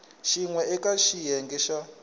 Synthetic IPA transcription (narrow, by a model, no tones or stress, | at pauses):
ʃiŋwɛɛkaʃijɛŋɡɛʃa